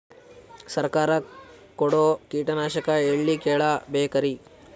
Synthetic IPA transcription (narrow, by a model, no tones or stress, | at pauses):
sɐɾkaːɾɐ | koɽoːkiːʈɐnaːʃɐkɐeɭːikeːɭɐbeːkɐɾi